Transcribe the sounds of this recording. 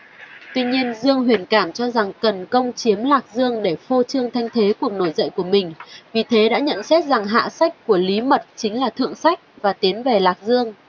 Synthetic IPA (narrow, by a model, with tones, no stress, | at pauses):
t̪wi˧ɲi˧ənzɨ˧əŋɦwi˨˩ənkaː˧˩mt͡ɕɔ˧za˨˩ŋkə˨˩nkə˧wŋ͡mt͡ɕi˨˦əmlaː˨˩k̚zɨ˧əŋɗe˧˩fo˧t͡ɕɨ˧əŋt̪ʰa˧jŋ̟t̪ʰe˨˦ku˨˩ək̚no˧˩jzə̰˧˨jku˧˩əmï˨˩ŋ̟vi˨˩t̪ʰe˨˦ɗa̰ː˧˥ɲə̰˧˨nsɛ˦˥t̚za˨˩ŋɦa̰ː˧˨sa˦˥k̟̚ku˧˩əli˨˦mə˨˩t̚t͡ɕï˨˦ŋ̟laː˨˩t̪ʰɨ̰˧˨əŋsa˦˥jk̚vaː˨˩t̪i˨˦ənve˨˩laː˨˩k̚zɨ˧əŋ